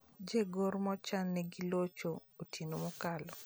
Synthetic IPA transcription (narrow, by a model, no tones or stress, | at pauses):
d͡ʒeɡoɾmɔt͡ʃanːɛɡilot͡ʃootʰinomokalɔ